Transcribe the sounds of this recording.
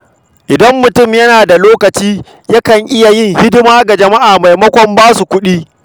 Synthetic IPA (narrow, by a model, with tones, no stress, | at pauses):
ʔɪ˨dɐ˦mːʊ˨tʊ˦˨mjɐ˦naː˨da˨loː˦kɐ˨t͡ʃiː˦ | ja˦kɐ˨ŋʔɪ˦ja˨jɪ˦˨ŋhɪ˦dɪ˦maː˦ɡa˨d͡ʒɐ˨ma˦ʔaː˨ma˨jmɐ˦kʷɔ˨mbaː˦su˨kʷʊ˦ɗiː˦